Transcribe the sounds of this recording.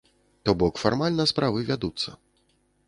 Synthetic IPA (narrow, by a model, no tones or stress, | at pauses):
t̪ɔbɔkfarmalʲnɐspɾavɨvʲad̪ut̪sːɐ̰